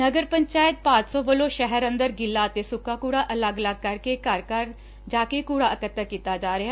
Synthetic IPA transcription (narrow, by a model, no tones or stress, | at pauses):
nəɡəɾpəɲt͡ʃaːjət̪̚pãːt͡ʃsɔ̃ːʋəlõːʃɛɦəɾə̃nd̪əɾɡɪlːaːət̪eːsʊkːaːkuːɽaːʔələɡələɡ̚kəɾkekəɾkəɾ | d͡ʒaːkeːkuːɽaːəkət̪ːəɾkiːt̪aːd͡ʒaːɾeɦa